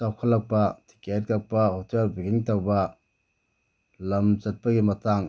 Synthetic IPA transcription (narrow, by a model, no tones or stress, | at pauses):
sawkʰɐlːɐk̚pɐtʰi̥kɛt̚kɐk̚pɐhotʰɛlbiɡiŋtɐwbɐ | lɐmzɐt̚pɐɡimɐtʰaŋ